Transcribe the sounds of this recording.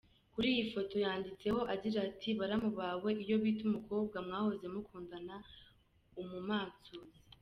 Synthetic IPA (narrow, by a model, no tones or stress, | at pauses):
kuɾiːjifo̞to̞jaːndit͡se̞ho̞ʔaɟiɾatʰiβaɾamuβawe̞ʔijo̞βiːtumuko̞ːb̚ɡamŋaːho̞ze̞mukʰuːndana | umumaːt͡sozi